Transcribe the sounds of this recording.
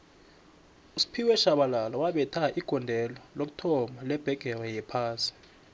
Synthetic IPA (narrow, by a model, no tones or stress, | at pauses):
usi̥pʰiwɛʃaɓalalɔwaɓɛtʰaʔiɡ̥ʱɔndʱɛlɔlok̬u̥tʰɔmalɛb̥ʱɛɡ̥ʱɛrɛjɛpʰaːsi̥